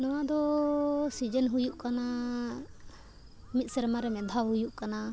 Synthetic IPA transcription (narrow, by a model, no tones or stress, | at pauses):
nɔwad̪ɔsid͡ʒənɦujuʔkana | mit̪̚ˀsɛɾmaɾɛmɛd̪ʱawɦujuʔkana